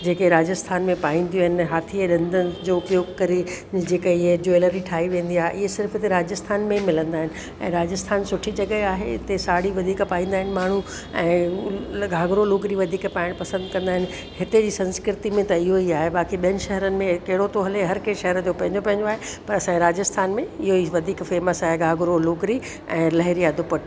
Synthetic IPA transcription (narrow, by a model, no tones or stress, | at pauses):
d͡ʑeːkeɾaːd͡ʑəst̪ʰaːnmẽpaːĩːnd̪ijoɦɪ̃nɦaːt̪ʰieɗɐ̃nd̪ənd͡ʑoʊpjoːɡkɐɾed͡ʑeːkəɪɦed͡ʑoeləɾiʈʰaːɦiʋẽːn̆d̪iaːɦeʔɪɦesɪɾfɦɪt̪eɾaːd͡ʑəst̪ʰaːnmẽimɪlə̃nd̪aːɦɪnɪ̆ | ɛ̰̃ːɾaːd͡ʑəst̪ʰaːnsʊʈʰid͡ʑɐɠəaːɦḛɪt̪esaːɽiʋɐd̪ʱiːkpaːĩːn̆d̪aːɦɪnɪ̆maːɳ̤u | ɛ̃ː | ɡʱaːɡɾoloːɡɾiʋɐd̪ʱiːkpaːɪɽ̃pɐsə̃nd̪kɐ̃nd̪aɦɪ̃nɪ̆ | ɦɪt̪ed͡ʑiːsɐ̃nskɪɾɪt̪imẽt̪ɐɪɦoiaːɦebaːkiɓijənɪ̆ʃɐɦəɾənɪ̆mẽkɐɦɪɽot̪oɦɐleɦɐɾkeːʃɐɦəɾd͡ʑopɐ̃ɦɪ̃ɲd͡ʑopɐ̃ɦɪ̃ɲd͡ʑoaːɦepɐɾɐsãːeɾaːd͡ʑəst̪ʰaːnmẽɪɦoiʋɐd̪ʱiːkfeːməsaːɦeɡʱaːɡʊɾoloːɡɾi | ɛ̃ːlɐɦɪɾiɐd̪ʱʊpɐʈ